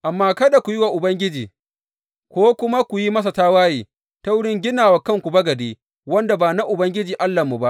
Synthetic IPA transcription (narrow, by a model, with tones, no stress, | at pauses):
ʔa˨mːaː˦kɐ˦da˨kʷu˨jɪ˦wa˨ʔʊ˨bɐ˦ŋɡʲɪ˦d͡ʒiː˨ | kʷoː˦kʷʊ˦ma˦kʷu˨ji˦mɐ˦s̬a˨taː˦waː˦jiː˨ | ta˦wʊ˦ɽɪ˦ŋɡʲɪ˦naː˨wa˨kɐ˦˨ŋkʷu˨bɐ˦ɡɐ˨deː˦ | wɐ˦nda˨baː˨na˦ʔʊ˨bɐ˦ŋɡʲɪ˦d͡ʒiː˨ʔa˦lːa˨mu˨ba˦ʔ